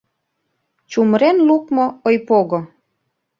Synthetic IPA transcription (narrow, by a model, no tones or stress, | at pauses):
t͡ɕumɾenlukmoojpoɣo